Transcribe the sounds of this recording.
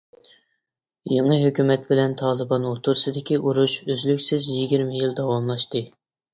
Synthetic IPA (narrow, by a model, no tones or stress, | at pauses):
jeŋɨɦøkʲymɛt̪̚bɪlɛnt̪ʰɑːlˠɨbɑnot̪ʰuɾsɨd̪ɪkʲiʔuɾuʃøzlykʲsɪzjiɡʲiɾmɪjild̪ɑwɑmlˠɑʃt̪ɨ